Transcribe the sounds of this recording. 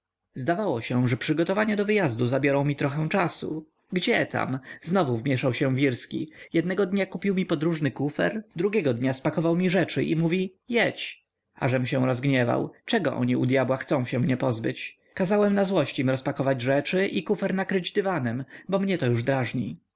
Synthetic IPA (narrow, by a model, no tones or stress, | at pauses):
zd̪avawɔɕɛʐɛpʂɘɡɔt̪ɔvaɲɛd̪ɔvɘjazd̪uzabʲjɔɾɔ̃w̃mʲit̪ɾɔxɛ̃w̃t͡ʂasṵ | ɡd͡ʑɛt̪ʰa̰mznɔvuvmʲjɛʂawɕɛ̃vʲiɾskʲḭjɛd̪̚nɛɡɔd̪ɲakupʲiwmʲipɔd̪ɾuʐnɘkufɛ̰ɾd̪ɾuɡʲɛɡɔd̪ɲaspakɔvawmʲiʐɛt͡ʂɘʔḭmuvʲijɛt͡ɕ | ʔa̰ʐɛmɕɛ̃w̃ɾɔzɡɲɛva̰wt͡ʂɛɡɔ̰ʔɔ̰ɲiud̪ʲjabwaxt̪sɔ̃w̃ɕɛ̃mɲɛpɔzbɘt͡ɕ | kazawɛmnazwɔɕt͡ɕimɾɔspakɔvad͡ʑʐɛt͡ʂɘʔikufɛɾnakɾɘd͡ʑd̪ɘvanɛmbɔmɲɛt̪ɔjuʐd̪ɾaʐɲḭ